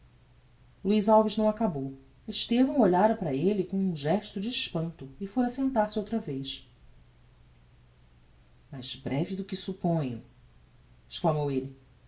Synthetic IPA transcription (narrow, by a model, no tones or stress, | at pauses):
luizawvɪʒnɐ̃w̃akabow | eʃt̪evɐ̃w̃oʎaɾɐpɾɐelɪkõũʒɛʃt̪ʊd͡ʒɪːʃpɐ̃nt̪ʊɪfoɾɐsẽnt̪aɾsɪowt̪ɾɐvejʃ | majzbɾɛvɪd̪ʊkɪsupõɲɐ̰̃ | ɪ̥ʃklɐmowelɪ